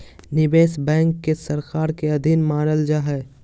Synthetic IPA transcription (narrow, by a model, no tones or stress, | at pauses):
nɪbeːsbɛ̃ːŋkːesɐɾkaːɾkeɐd̪ʱɪnmaːnəld͡ʒaɦɛː